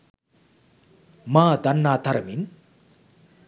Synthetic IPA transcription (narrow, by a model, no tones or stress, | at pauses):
maːd̪ɐnːaːt̪ɐɾɐmin